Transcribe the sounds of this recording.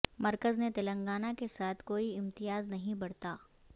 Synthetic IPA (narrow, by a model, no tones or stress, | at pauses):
mɐɾkəznet̪ɐlə̃ŋɡaːnakesaːt̪ʰkoːiɪ̃mt̪ɪjaːznɐɦĩbɐɽ̤t̪aː